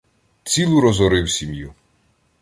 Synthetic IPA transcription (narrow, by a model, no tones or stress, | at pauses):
t͡sʲilˠuɾɔzɔɾɪwsʲimju